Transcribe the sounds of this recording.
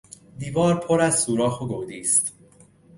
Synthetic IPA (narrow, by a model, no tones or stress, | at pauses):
d̪iːvɒːɾpʰoɾæzsuːɾɒːxoɡod̪iːst̪